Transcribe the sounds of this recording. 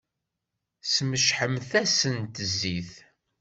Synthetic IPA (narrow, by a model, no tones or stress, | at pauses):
sməʃħəmθæsənt̪əzːiθ